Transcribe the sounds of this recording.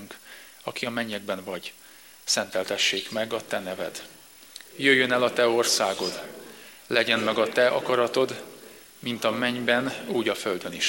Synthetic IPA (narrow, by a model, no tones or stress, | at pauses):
ŋk | ɒkiɒmɛɲːɛɡ̚bɛɱvɒɟ | sɛnt̪ɛlt̪ɛʃːeːkmɛɡɒt̪ɛnɛvɛ̰d̪ | jøjːønɛlɒt̪ɛo̞rsaːɡo̞d̪ | lɛɟɛnmɛɡɒt̪ɛɒ̰kɒɾɒt̪o̞d̪ | mint̪ɒmɛɲbɛnuːɟɒfø̞ld̪øniʃ